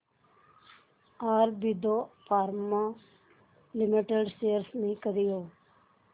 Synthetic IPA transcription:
aːɾbid̪opʰaːɾma | limiʈeɖseːɾsmĩkəɾijoː

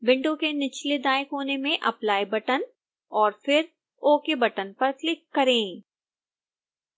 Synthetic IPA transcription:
bɪ̃ɳʈõkenɪt͡ʃled̪aːjɪkɦoːnemẽʔɐplaːebɐʈən | ɔːɾfɪɾ | oːkebɐʈənpɐɾklɪkːɐɾẽː

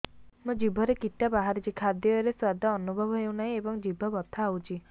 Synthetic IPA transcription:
mũd͡ʒibʱɔɾekiʈːabaɦaɾit͡ʃikʰad̪jɔeɾeswad̪ʱaɔnubʱɔbɔɦewnaĩebɔŋd͡ʒibʱɔbɔt̪ʰːaːwt͡ʃʰi

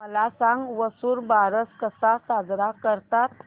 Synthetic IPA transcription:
məlasãŋɡʋəsuːɾbaɾəskəsasad͡zɾakəɾt̪at̪̚

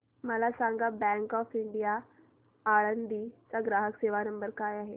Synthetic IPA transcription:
məlasãŋɡabɛ̃ŋkɔːfɪɳɖijaː | ɭənd̪it͡saɡɾaːɦəkseːʋanəmbəɾkaːjaːɦe

